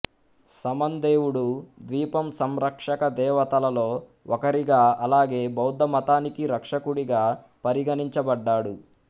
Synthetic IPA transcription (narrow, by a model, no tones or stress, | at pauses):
sɐmɐnd̪eːwuɽud̪ʋiːpɐmsɐmɾɐkʂɐkɐd̪ɛːʋɐt̪ɐlɐlo̞ːɔkɐɾiɡaːɐlaːɡe̞ːbɐwd̪ʱːɐmɐt̪aːnikiɾɐkʂɐkuɽiɡaː | pɐɾiɡɐniɲt͡ʃɐbɐɖːaːɽu